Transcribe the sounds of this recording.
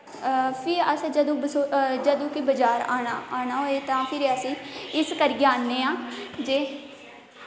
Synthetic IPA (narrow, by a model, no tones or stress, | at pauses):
pʰɪɾəsd͡ʒəd̪õːbəsod͡ʒəd̪õːkɪbəd͡ʒaːɾaːnaːaːnaːɦoːeːt̪ãːpʰɪɾəsĩːɪskəɾɡeaːnːeːãːd͡ʒeː